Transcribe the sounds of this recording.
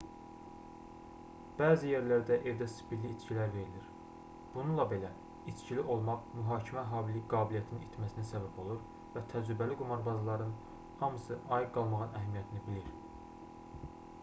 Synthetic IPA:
b̥æːzije̞ɾlæɾd̪æʔevd̪æsi̥pʰilːiːt͡ʃ̪cʰilæɾve̞ɾiliɾ | b̥ununlˠɑbe̞læ | it͡ʃ̪ciliʔo̞lˠmɑʁmyɦɑːcʰimæɦɑːbiliɡɑːbilijæt̪ʰininit̪ʰmæsinæsæbæbo̞lˠuɾ | væt̪ʰæd͡ʒɾybæliɡumɑɾbɑzɑlˠɑɾɯn | hɑmɯsɯʔɑjiɡɡɑlˠmɑʁɯnʔæɦæmijæt̪ʰinibiliɾ

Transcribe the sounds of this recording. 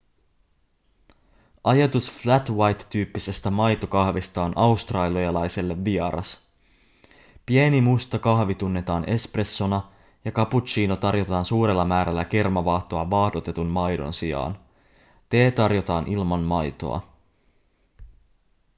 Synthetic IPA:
ʔɑjɑt̪usflæt̪wɑjt̪ːyːpːise̞st̪æmɑjt̪o̞kɑhʋist̪ɑonʔɑust̪rɑːliɑlɑjse̞lːe̞ʋːiɑɾʔɑ̰s | pienimust̪ɑkɑhʋit̪unːe̞t̪ɑːnʔe̞spre̞sːo̞nɑ | jɑkɑput͡ʃiːno̞t̪ɑrjo̞t̪ɑːnsuːɾe̞lːɑmæːɾælːæk̟ermɑʋɑːht̪oɑʋɑhdo̞t̪e̞t̪unmɑjdo̞̰nsiɑ̰ːn | t̪e̞ːt̪ɑrjo̞t̪ɑːnʔilmɑmmɑjt̪o̞̰ɑ̰

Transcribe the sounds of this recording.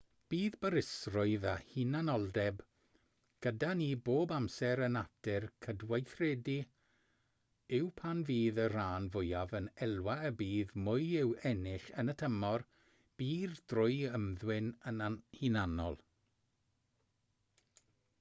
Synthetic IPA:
b̥iːðbəɾɪsrʊɨðahinanɔlˠdɛb | ɡ̥ədaniːboːbamsɛɾənatɪrkʰədwajθrɛːdi | ɪwpʰanviːðər̥aːnvʊjavənɛlˠwaəbiːðmʊɨjɪwɛnɪɬənətʰəmɔr | b̥iːrd̥rʊɨəmðwɪnənahinanɔ̰lˠ

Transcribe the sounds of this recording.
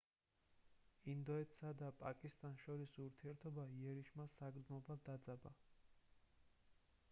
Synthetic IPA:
ind̪ɔɛt̪ʰsad̪apʼakʼist̪ʼanʃɔɾisuɾt̪ʰiɛɾt̪ʰɔbaiɛɾiʃmasaɡɾd̪mɔbad̪ad̪zaba̰

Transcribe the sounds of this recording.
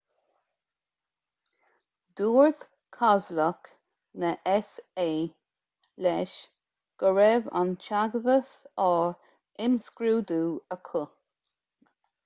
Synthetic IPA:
d̪̥uːɹθ | kʰazlək | nəʔɛseː | lɛʃ | ɡ̥əɹɛva̰nt͡ʃaɡəvəsɔɹ | ɪmskɾuːd̪uːəkʰʊ

